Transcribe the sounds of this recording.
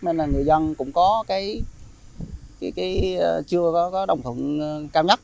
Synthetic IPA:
me˧nlaː˨˩ŋɨ˨˩əjzə˧nkʊ̰˧˥ŋ͡mkɔ˨˦kaː˨˦j | kaː˨˦jkaː˨˦jt͡ɕɨ˧əkɔ˨˦kɔ˨˦ɗə˨˩wŋ͡mt̪ʰwə̰˧˨nkaː˧wɲə˦˥t̚

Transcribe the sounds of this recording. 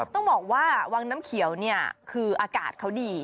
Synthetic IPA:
t̪ɔ˥˩ŋbɔː˨˩k̚waː˥˩wa˧ŋnaː˦˥mkʰi˨˩˦əwni˥˩ɐkʰɯː˧ʔaː˧kaː˨˩t̪̚kʰa˦˥wdiː˧

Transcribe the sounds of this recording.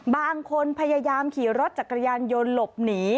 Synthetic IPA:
baː˧ŋkʰo˧npʰa˧ja˧jaː˧mkʰiː˩˦ɾo˦˥t̪̚t͡ɕa˨˩kːɾa˧jaː˧njo˧nlo˨˩p̚niː˩˦

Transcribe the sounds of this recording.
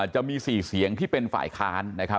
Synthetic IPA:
t͡ɕa˨˩ʔmiː˧siː˨˩si˨˩˦əŋt̪ʰiː˥˩pe˧nfa̰ː˨˩jkʰaː˦˥nːa˦˥kʰa˦˥

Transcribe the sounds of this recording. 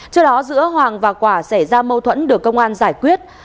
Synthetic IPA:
t͡ɕɨ˧˥əɗɔ˨˦zɨ̰˧˥əɦwaː˨˩ŋvaː˨˩kwaː˧˩sa˧˩jzaː˧mə˧wt̪ʰwə̰˧˥nɗɨ˨˩əkːə˧wŋ͡mʔaː˧nzaː˧˩jkwi˦˥ət̚

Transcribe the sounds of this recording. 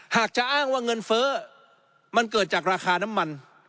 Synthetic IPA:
haː˨˩k̚t͡ɕa˨˩ʔaː˥˩ŋwaː˥˩ŋɤ˧nfɤː˦˥ | ma˧nkɤː˨˩t̪̚t͡ɕaː˨˩k̚ɾaː˧xʰaː˧na˦˥mːa˧n

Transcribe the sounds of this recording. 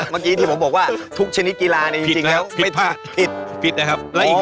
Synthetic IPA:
maː˧kiː˦˥t̪ʰiː˥˩o˩˦mbɔː˨˩k̚waː˥˩t̪ʰu˦˥k̚t͡ɕʰa˧ni˦˥t̪̚kiː˧laː˧na˧t͡ɕi˧˨˩t͡ɕi˧ŋlɛ˦˥wmʰa˥˩jpʰaː˥˩pʰi˨˩t̪̚pʰi˨˩t̪̚na˦˩kʰa˦˥p̚lɛ˦˥˨

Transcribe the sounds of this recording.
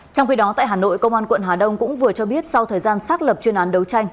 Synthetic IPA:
t͡ɕɔ˧wŋ͡mxi˧ɗɔ˨˦t̪a̰ː˧˨jɦaː˨˩no̰˧˨jkə˧wŋ͡mʔaː˧nkwə̰˧˨nɦaː˨˩ɗə˧wŋ͡mkʊ̰˧˥ŋ͡mvɨ˨˩ət͡ɕɔ˧ɓi˦˥ət̚sa˧wt̪ʰəː˨˩jzaː˧nsaː˦˥k̚lə˨˩p̚t͡ɕwi˧naː˨˦nɗə˨˦wt͡ɕa˧jŋ̟

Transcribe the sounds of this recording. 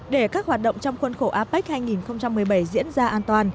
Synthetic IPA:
ɗe˧˩kaː˦˥k̚hwaː˨˩t̚ɗə̰˧˨wŋ͡mt͡ɕɔ˧wŋ͡mxwə˧nxo˧˩ʔaː˨˦pa˦˥k̚haː˧jŋi˨˩nxə˧wŋ͡mt͡ɕa˧mːɨ˨˩əjɓə˧˩jzḭ˧˥ənzaː˧ʔaː˧nt̪waː˧n

